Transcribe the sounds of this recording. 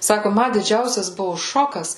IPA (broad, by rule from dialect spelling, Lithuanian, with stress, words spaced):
ˈsɑːkʊ ˈmɐ dʲɪˈd͡ʒʲɛʊsʲɛs ˈbʊʋʊ ˈʃoːkɐs